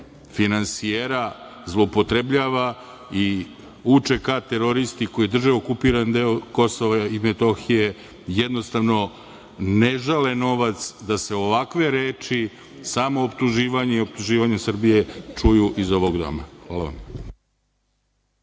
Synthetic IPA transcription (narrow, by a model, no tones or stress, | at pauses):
finansijeɾa | zlˠoopo̞t̪ɾebʎaːʋa | i | ut͡ʃe̞kat̪eɾo̞ɾist̪iko̞jid̪r̩ʒeokupiːɾand̪eoko̞so̞ʋaimet̪o̞xije̞ | jed̪nost̪aʋno̞ | neʒaleno̞ʋat̪sd̪aseoʋakʋe̞ɾeːt͡ʃi | saːmoːpt̪uʒiːʋaɲeio̞p̚t̪uʒiːʋaɲesr̩bije̞t͡ʂujuʔizo̞ʋoɡd̪o̞̰ma̰xʋaːlˠaʋa̰m